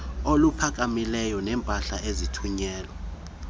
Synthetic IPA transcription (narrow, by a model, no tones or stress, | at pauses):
olupʰak̬ʼamilɛjɔnɛːmpʼaɬaʔezitʰuɲɛːlɔ